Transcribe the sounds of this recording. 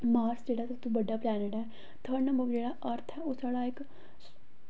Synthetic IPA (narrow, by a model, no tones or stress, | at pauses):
maːɾsd͡ʒeːɽasɐt̪ũbəɖːaːplɛːneʈɛː | t̪ʰəɾnə̃mbəʋd͡ʒeːɽaʔəɾt̪ʰɛːʊsaːɽaːɪk